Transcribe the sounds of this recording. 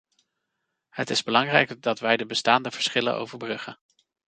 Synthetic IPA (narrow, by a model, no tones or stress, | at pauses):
ɦətɪzbəlɑŋrɛjkdɑtʋɛjdəbəstaːndəv̥əɹsχɪlə̰ʔo̰wvəɹbrɵχə